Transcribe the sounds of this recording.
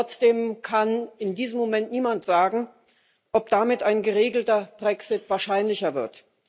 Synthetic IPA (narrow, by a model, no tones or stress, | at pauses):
ɔt͡sd̥eːmkʰanɪndiːzəmːomɛntniːmantz̥aːɡŋ̩ | ʔɔp̚d̥amɪtʔaɪnɡəʁeːɡl̩tɐb̥ʁɛksɪtv̥aːɐʃaɪnlɪçɐvɪɐt